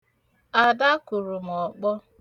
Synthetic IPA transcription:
a˨da˦kʊ˨ɾʊ˨m˨ɔ˨k͡pɔ˦

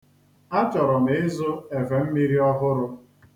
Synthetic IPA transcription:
a˦t͡ʃɔ˨ɾɔ˨m̩˨ɪ˦zʊ˦e˨ve˨m̩˦mi˦ɾi˦ɔ˦ɦʊ˦ɾʊ˦

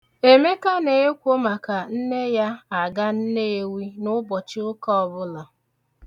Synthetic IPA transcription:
e˨me˦ka˦ne˨e˦kʷo˦ma˨ka˨n̩˦ne˦ja˦a˨ɡa˦n̩˦ne˦e˨wi˦nʊ˦bɔ˨t͡ʃɪ˦ʊ˦kɔ˦ɔ˨bʊ˦la˨

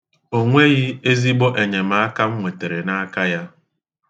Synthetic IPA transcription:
o˦ŋʷe˦ɣɪ˦e˦zi˦ɡ͡bɔ˦ʔe˨ɲe˨m̩a˦a˦ka˦m̩˦ŋʷe˨te˨ɾe˨na˦a˦ka˦ja˦

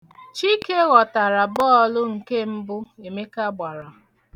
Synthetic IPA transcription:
t͡ʃi˦ke˦ɣɔ˨ta˨ɾa˨bɔː˦ɔ˦lʊ˦ŋ̩˨ke˦m̩˦bʊ˦e˨me˦ka˦ɡ͡ba˨ɾa˨

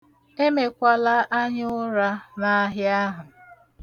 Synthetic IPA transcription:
e˦me˨kʷa˦la˦ʔa˦ɲ˦ʊ˦ɾa˦na˦a˦ɦɪ˦a˦ɦʊ˨

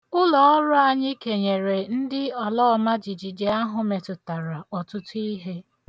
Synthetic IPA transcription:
ʊ˦lɔ˨ɔ˦ɾʊ˦a˨ɲɪ˦ke˨ɲe˨ɾe˨n̩˦dɪ˦ɔ˨lɔː˦ma˦d͡ʒi˨d͡ʒi˨d͡ʒe˨a˦ɦʊ˨me˨tʊ˨ta˨ɾa˨ɔ˨tʊ˦tʊ˦i˦ɦe˦

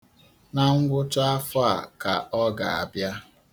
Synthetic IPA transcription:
na˦˨ŋ̩˦ɡʷʊ˦t͡ʃa˦fa̰˨ka˨ɔ˦ɡa̰˨a̰˨bja˦

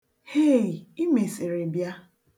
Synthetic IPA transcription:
he˦˨i˦me˨sɪ˨ɾe˨bja˦

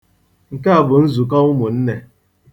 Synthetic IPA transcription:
ŋ̩˨ka˦a˨bʊ˨n̩˦zu˨ka˦ʊ˦mʊ˨n̩˦ne˦

